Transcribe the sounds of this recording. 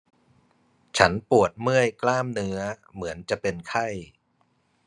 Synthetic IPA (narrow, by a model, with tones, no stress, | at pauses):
t͡ɕʰa˦˥npu˨˩ət̪̚mɯ˥˩əjklaː˥˩mnɯ˦˥ɐmɯ˩˦ənt͡ɕa˨˩pe˧nkʰa˥˩j